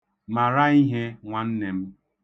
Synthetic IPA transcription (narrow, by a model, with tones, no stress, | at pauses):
ma˨ɾa˦i˦ɦe˦ŋʷa˨n̩˦ne˨m̩˦